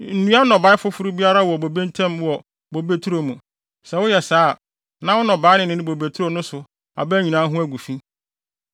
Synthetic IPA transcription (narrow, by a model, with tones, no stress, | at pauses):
n̩˨nũ˦a˦nɔ̃˨ba˨˦ɪ˦fʊ˦fʊ˦ɾu˦bi˦a˦ɾa˦wɔ˨bo˨be˦n̩˦tʰɛ̃˦mwɔ˨ | bo˨be˦tʰu˦ɾo˨mũ˨ | sɛ˨wʊ˦jɛ˨saː˨˦˨ | nã˦wʊ˦nɔ̃˨baː˨˦nɪ̃˦nɪ̃˦nɪ̃˦bo˨be˨tʰu˦ɾo˨nʊ̃˦sʊ˨ | a̰˨bɛ˦ɲĩ˨nãː˨˦ɦʊ̃˦æ˦ɡu˨fi˦